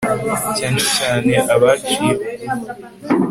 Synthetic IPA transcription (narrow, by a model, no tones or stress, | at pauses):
ceːnʃicaːne̞ʔaβat͡ʃijeo